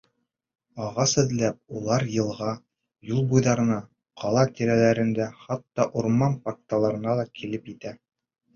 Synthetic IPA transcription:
ɑʁɑsɘ̆ðlæp̚ulˠɑɾjɤ̆lˠʁɑ | julˠbujðɑɾɤ̆nɑ | qʰɑlˠɑt̪iɾælæɾɘ̆nd̪æχɑt̪ːɑʔuɾmɑnpɑk̚t̪ɑlˠɑɾɤ̆nɑlˠɑkʰilɘpjɘt̪æ

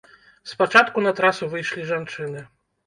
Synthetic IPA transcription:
spat͡ʂat̪kunɐt̪ɾasuvɨjʂlʲiʐant͡ʂɨnɨ

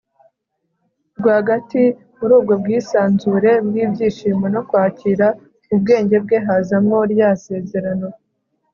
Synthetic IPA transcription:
ɾɡwaɡati | muɾuːb̚ɡo̞bɡiːsaːnzuɾe̞bɡiːbɟiːʃiːmeno̞kwaːciɾa | ub̚ɡe̞ːɲɟe̞b̚ɡe̞ɦazamŋo̞ɾjase̞ːze̞ɾano̞

